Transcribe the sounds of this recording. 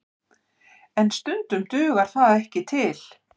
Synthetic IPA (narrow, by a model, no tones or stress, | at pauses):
ɛnst̪ʏnt̪ʏmt̪ʏːɣaɾ̥θaðaɛhcɪt̪ʰɪl̥